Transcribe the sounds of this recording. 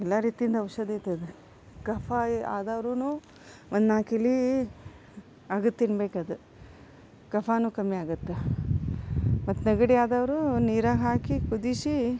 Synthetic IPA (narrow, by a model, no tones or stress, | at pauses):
ɛlːaɾiːt̪ijind̪ɐʋʂɐd̪it̪ːɐd̪e | kɐpʰaa̰ːd̪aːʋɾuːnuː | ond̪naːkilːi | aːɡut̪ːinbeːkad̪u | kɐpʰaːnuːkɐmːijaːɡut̪ːe | mɐt̪ːnɐɡɐɽiaːd̪aːʋɐɾuniːɾaːɡɦaːkikud̪isi